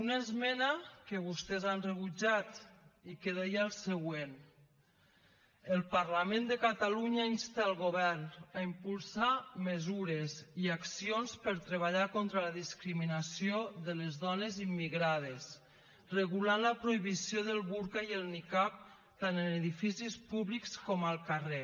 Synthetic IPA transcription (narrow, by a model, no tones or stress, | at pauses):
unaezmɛnakəβust̪ɛzanreβud͡ʒat̪ikeðɛjalˠsəɣwen | əlˠpaɾlamend̪əkat̪aluɲainst̪alˠɣoβɛɾnaimpulˠsaməzuɾeziaksijonspəɾt̪ɾeβaʎakont̪ɾələðiskɾiminasioðələzðɔnezimːiɣɾað̞es | rəɣulanləpɾoiβisjoðəlˠβuɾkaiəlˠnikap̚ | t̪anənəðifisispuβlikskɔməlˠkare